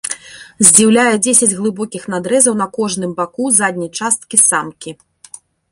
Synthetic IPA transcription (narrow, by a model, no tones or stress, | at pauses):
zʲd͡zʲiwlʲajɛd͡zʲesʲɐd͡zʲɣlˠɨbɔkʲixnad̪ɾɛzɐwnɐkɔʐnɨmbakuzad̪ʲnʲɐjt͡ʂast̪̚kʲisamkʲi